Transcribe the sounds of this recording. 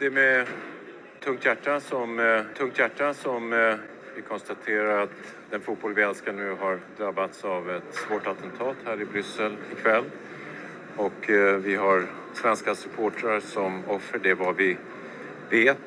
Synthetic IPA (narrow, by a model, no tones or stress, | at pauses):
d̪ɛmɛ | t̪ʰɵŋkt̪jæʈːasɔmt̪ʰɵŋkt̪jæʈːasɔm | vɪkʰɔnst̪at̪ʰeːɾaɾat̪ | d̪ɛnfʊt̪̚bɔlvɛnskanʉ̟ːɦaɾd̪ɾabːat̪savɛt̪svoːʈat̪ʰɛnt̪ʰɑːt̪hæːɾɪbɾʏsːɛlɪkʰvɛlː | ɔkvɪɦaɾ | svɛnskasɵpʰoːʈɾaɾsɔmɔfːəɖɛvavɪ | veːt̪